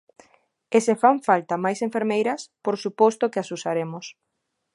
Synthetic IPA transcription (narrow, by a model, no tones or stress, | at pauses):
esefaɱfalt̪amajseɱfeɾmejɾɐspoɾsupost̪okeasusaɾemʊs